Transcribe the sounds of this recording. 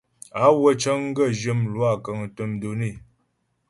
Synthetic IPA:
a˨˦wə˦˨t͡ʃə˦ŋ˦ɡə˦˨d͡ʒə˦mlwa˦˨kə˨ŋ˨tə˨mdo˨ni˦˨

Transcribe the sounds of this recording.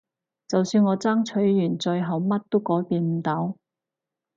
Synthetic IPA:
t͡sɐ˨wsyː˧nŋɔː˨˧t͡saː˥ŋt͡ʃʰɵ˨˥ɥːyː˨˩nt͡ʃɵ˧ɥɦɐ˨wmɐ˥t̚t̪o˥wkɔː˨˥jpiː˨˧nm̩˨˩t̪ɐ˨˥w

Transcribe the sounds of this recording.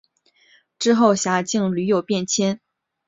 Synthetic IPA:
ʈ͡ʂɻ̩˥xo˥˩ʊɕja˧˥t͡ɕi˥˩ŋly˧˥jo˨˩ʊpjɛ˥˧nt͡ɕʰjɛ˥n

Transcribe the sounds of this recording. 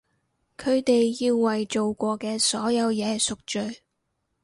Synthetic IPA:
kʰɵ˨˧ɥt̪e˨jːiː˧wːɐ˨jt͡ʃo˨wkʷɔː˧kɛː˧sɔː˨˥jɐ˨˧wjɛː˨˧sʊ˨k̚t͡ʃɵ˨ɥ

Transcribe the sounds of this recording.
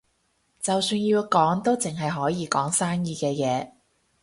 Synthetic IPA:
t͡sɐ˨wsyː˧nji˧wkɔː˨˥ŋt̪o˥wt͡sɪ˨ŋɦɐ˨jɦɔː˨˥jiː˨˧kɔː˨˥ŋsaː˥ŋjiː˧kɛː˧jɛː˨˧

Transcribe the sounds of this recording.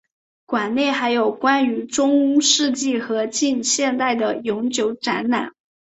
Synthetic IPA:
kwa˨˩nne˥˩ɪxa˧˥ɪjo˨˩ʊkwa˥ny˧˥ʈ͡ʂʊ˥ŋ˥ʂɻ̩˥˧t͡ɕi˥˩xɤ˧˥t͡ɕi˥˧nɕjɛ˥˧nt̪a˥˩ɪd̪ə˩jʊ˧˥ŋt͡ɕjo˧˥ʊʈ͡ʂa˧˥nna̰˨˩˦n

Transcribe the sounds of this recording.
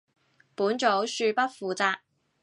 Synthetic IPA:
puː˨˥nt͡ʃo˨˥wsyː˧pɐ˥t̚fuː˨t͡saː˧k̚

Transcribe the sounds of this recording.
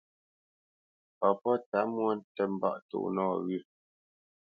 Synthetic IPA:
pɔ˨pɔ˦ta˨˦mwɔ˦n̩˦tɛ˦m̩˦ba̰˦˨ʔtṵ˦˨ʔnɔː˦˨ɣʉ˦˨

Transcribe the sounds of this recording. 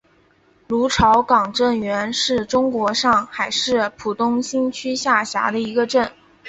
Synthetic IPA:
lu˧˥ʈ͡ʂʰɑ˧˥ʊkɑ˨˩ŋʈ͡ʂə˥˩nɥɛ˧˥nʂɻ̩˥˩ʈ͡ʂʊ˥ŋkwɔ˧˥ʂɑ˥˩ŋxa˨˩ɪʂɻ̩˥˩pʰu˨˩t̪ʊ˥ŋɕi˥nt͡ɕʰy˥ɕja˥˩ɕja̰˧˥d̪ə˧i˧˥ɡə˧ʈ͡ʂə˥˩n

